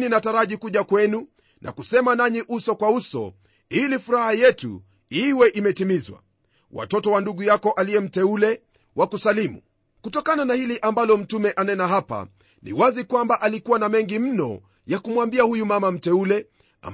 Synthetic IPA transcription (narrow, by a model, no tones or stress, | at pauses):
ninataɾaʄikuʄakwɛnu | nʔa̰kusɛmanaɲiʔusɔkwausɔ̰ | ilifuɾahajɛtṵ | iwɛʔimɛtimizwa̰ | wa̰tɔtɔwanduɠujakɔʔalijɛm̩tɛulɛ | wakusalimṵ | kutɔkananahiliʔambalɔm̩tumɛʔanɛnaɦapa̰ | nʔḭwazikwambaʔalikuwanamɛŋɡim̩nɔ̰ | jakumwambiahujumamam̩tɛulɛ | a̰m